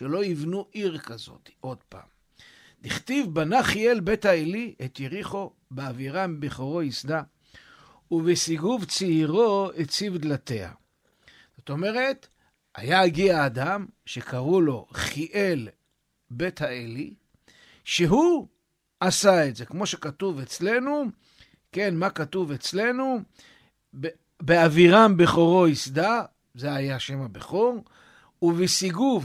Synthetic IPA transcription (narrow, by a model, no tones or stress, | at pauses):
ʃelo̞ivnuʔiʁkazo̞̰t̪i̥ʔo̞d̪pa̰ːm | d̪iχt̪ivbanaχielbe̞thaeliʔet̪jeʁiχo̞ | beaviʁambeχo̞ʁo̞isd̪a | uvesiɡuvt͡siiʁo̞et͡sivd̪lat̪e̞ha̰ | z̥o̞t̪o̞me̞ʁe̞t̪ | a̰jaaɡiaːd̪amʃekaʁulo̞χiʔe̞l | be̞thaeli | ʃeɦu | asaetze̞kmo̞ʃe̞katuve̞t͡sle̞nu | ke̞nmakatuve̞t͡sle̞nu | b | beaviʁambeχo̞ʁo̞isda | zeajaʃe̞mabeχoʁ | uvisiɡuv